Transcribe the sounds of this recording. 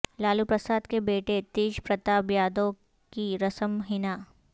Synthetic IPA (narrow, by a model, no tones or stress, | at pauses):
laːlupɾəsaːd̪kebeːʈet̪iːʃpɾɐt̪aːbjaːd̪õ | kiɾɐsəmɦɪnaː